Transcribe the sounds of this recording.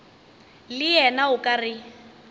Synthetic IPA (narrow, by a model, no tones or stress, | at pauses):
lɪjɛnaʊkʼarɪ